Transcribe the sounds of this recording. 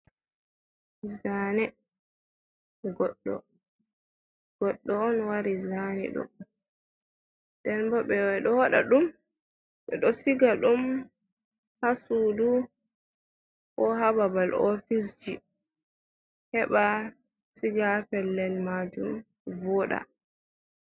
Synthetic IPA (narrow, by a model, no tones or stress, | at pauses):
zaːnɛ | ɡɔɗːɔ̰ | ɡ̥ɔɗːɔɔnwaɾizanɛ̰ɗɔ̰ | d̥ɛnbɔɓɛɗɔwaɗa̰ɗum | ɓɛɗɔsiɡaɗum | hasudu | ʔɔhababalɔfis̬d͡ʒi | hɛɓa | siɡapɛlːɛlmad͡ʒum | vɔɗa̰